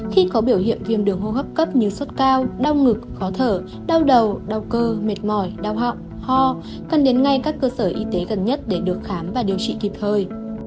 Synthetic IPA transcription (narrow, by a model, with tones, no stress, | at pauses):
xi˧kɔ˨˦ɓi˧˩əwhḭ˧˨ənvḭ˨˩əmɗɨ˨˩əŋɦo˧hə˦˥p̚kə˦˥p̚ɲɨ˧swə˦˥t̚kaː˧wɗa˧wŋɨ˨˩k̚xɔ˨˦t̪ʰəː˧˩ | ɗa˧wɗə˨˩wɗa˨˧˩wkəː˧me˨˩t̚mɔ˧˩jɗaː˧˩wɦa̰˧˨wʔ | hɔ˧ | kə˨˩nɗe˨˦nŋa˧jkaː˦˥kːəː˧səː˧˩ʔi˧t̪e˨˦ɣə˨˩nɲə˦˥t̚ɗe˧˩ɗɨ˨˩ək̚xaː˨˦mvaː˨˩ɗi˨˩əwt͡ɕḭ˧˨ki˨˩p̚t̪ʰəː˨˩j